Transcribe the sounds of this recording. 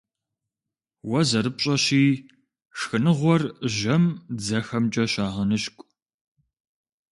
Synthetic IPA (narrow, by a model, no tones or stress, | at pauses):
wɐzɐɾɨp̚ɕʼɐɕiː | ʂxɨnɨʁʷɔrʒɐmd͡zɐxɐmt͡ʃʼɐɕaːʁɐnɨɕkʷʼ